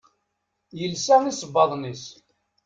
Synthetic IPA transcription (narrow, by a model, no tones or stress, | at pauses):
jəlsæŋisəbːɑðˤnis